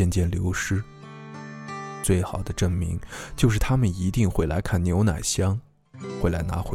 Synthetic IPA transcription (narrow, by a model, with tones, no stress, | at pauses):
ɛ˥˧nt͡ɕjɛ˥˩nljo˧˥ʊʂɻ̩˥ | t͡swe˥˩ɪxɑ˨˩ʊd̪ə˦ʈ͡ʂɤ˥˩ŋmḭ˧˥ŋt͡ɕjo˥˧ʊʂɻ̩˥˩t̪ʰa˥mə˨ni˧˥t̪i˥˧ŋxwe˥˩ɪla̰˧˥ɪkʰa˥˩nnjo˧˥ʊna̰˨˩ɪɕjɑ˥ŋ | xwe˥˩ɪla˧˥na̰˧˥xwe˧˥